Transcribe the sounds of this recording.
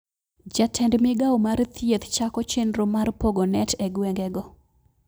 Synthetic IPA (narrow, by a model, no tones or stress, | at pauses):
d͡ʒatʰɛndmɪɡawmaɾt̪ʰjet̪t͡ʃakɔt͡ʃenɾomarpoɡɔnɛtɛɡwɛŋɡɛɡɔ